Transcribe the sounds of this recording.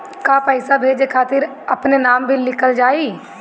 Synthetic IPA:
kapəɪsabʱeːd͡ʒekʰaːt̪ɪɾ | ɐpnenaːmbʱilɪkəld͡ʒaːi

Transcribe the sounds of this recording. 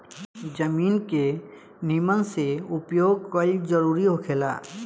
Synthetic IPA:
d͡ʒəmiːnke | nimənseʊpjoːɡ̚kəid͡ʒəɾuːɾiɦokʰeːla̰ː

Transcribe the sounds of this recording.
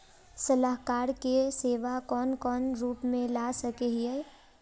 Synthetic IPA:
sɐlaːɦkaːɾkeseːʋakɔːnkɔːnɾuːpmẽlaːsɐkeɦiɛ

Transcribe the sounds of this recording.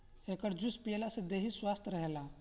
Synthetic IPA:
ekəɾd͡ʒuspielasẽd̪eɦiswast̪ʰɾəɦela

